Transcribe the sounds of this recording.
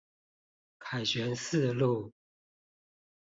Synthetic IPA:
kʰa˨˩ɪɕɥɛ˧˥nsɹ̩˥˧lu˥˩

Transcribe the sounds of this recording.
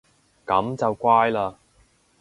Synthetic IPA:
kɐ˨˥mt͡sɐ˨wkʷaː˥jlaː˧

